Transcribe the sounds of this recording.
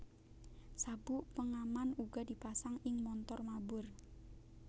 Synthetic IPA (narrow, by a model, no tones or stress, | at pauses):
sabuʔpəŋamanuɡɔ̤dipasaŋɪŋmɔnt̪ɔrmabʊr